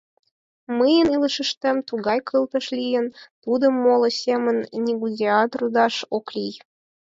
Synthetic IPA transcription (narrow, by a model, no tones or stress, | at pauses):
məjə̆nilˠəʃə̆ʃt̪emt̪uɣɑjkʰɤlˠt̪ɤ̆ʃlʲijə̆nt̪ud̪ə̆mːolˠɤ̆sʲemə̆nʲnʲiɡudʲeɑt̪rud̪ɑʃoklʲij